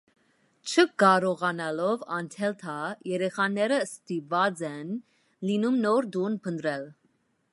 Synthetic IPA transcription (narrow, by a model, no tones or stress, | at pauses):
t͡ʃʰəkɑɾɔʁɑnɑlɔvɑnt̪ʰɛlt̪ʰɑjɛɾɛχɑnɛɾəst̪ipvɑd͡zɛn | linumnɔɾd̪unpʰənt̪ɾɛl